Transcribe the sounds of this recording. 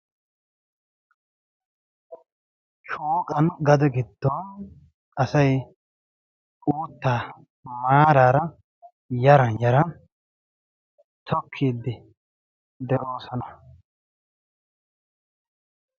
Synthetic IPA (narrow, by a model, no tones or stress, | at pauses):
t͡ʃuːkʼɐnɡɐd̪ɔɡɪd̪ːɔn | ɐsɐj | uːt̪ːaː | maːɾaːɾɐ | jɐɾɐnjɐɾɐn | t̪ʰɔkʰːiːd̪ːɪ | d̪ɛʔo̞ːsɔnɐ